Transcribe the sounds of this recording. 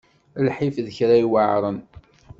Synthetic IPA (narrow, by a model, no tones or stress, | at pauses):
lħifðəçɾajwəʕɾˤən